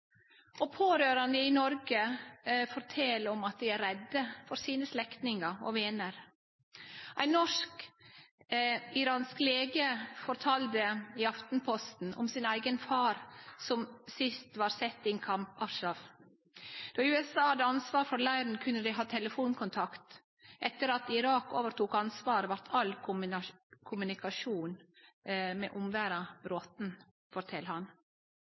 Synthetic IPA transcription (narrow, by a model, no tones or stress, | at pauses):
ɔpʰoːɾøːɾɑnəɪnɔɾɡəfɔɾt̪ʰɛlɔmɑt̪̚d̪ɪæɾɾɛd̪ːəfɔɾsiːnəslɛkt̪nɪŋɑɔ̰ʋeːnəɾ | ʔæɪnɔʂk | ɪɾɑːnskleːɡəfɔɾt̪ʰɑːld̪əɪɑft̪n̩pʰɔst̪n̩ɔ̰msɪnæɪɡənfɑːɾsɔmsɪst̪ʋɑːɾsɛt̪ːɪnkʰɑmpɑʂɑf | d̪̥ɔːɪʉɛsɑːhɑd̪əɑnsʋɑːɾfɔɾlæɪɾnkʰʉnːəd̪ɪɦɑːt̪ʰɛləfuːnkʰʊnt̪ʰɑkt̪ | ʔɛt̪ːəɾɑt̪ɪɾɑːkoːʋəɾt̪uːkɑnsʋɑːɾəʋɑɾt̪ʰɑl | kʰʊmʉnɪkɑʂuːn | mɛ̰ːʔʊmʋæːɾɑbɾoːt̪n | fɔɾt̪ʰɛlːhɑn